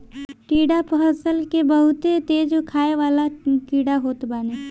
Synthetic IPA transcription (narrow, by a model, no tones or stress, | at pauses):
ʈiːɖapəɦəsəlkebəɦʊt̪et̪eːd͡ʒokʰaːeʋaːlaʈiːɽaɦoːt̪baːne